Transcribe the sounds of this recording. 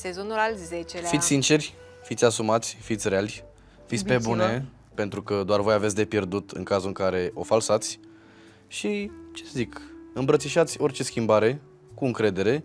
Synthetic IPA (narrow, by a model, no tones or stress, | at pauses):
sezonulalʲzet͡ʃelfit̪ʲsint͡ʃe̞rʲ | fit̪sʲasumat̪sʲfit̪sʲrealʲ | fit̪sʲpe̞bune̞ | pe̞nt̪ɾukəd̪oarvo̞jave̞t̪ʲd̪e̞pje̞rd̪ut̪ɨ̰ŋkazuɨŋkaɾe̞ʔo̞falsat̪sʲ | ʃit͡ʃesəzikɨmbɾət̪siʃat̪sʲo̞rt͡ʃe̞skʲimbaɾe̞ | kuɨŋkɾe̞d̪e̞ɾe̞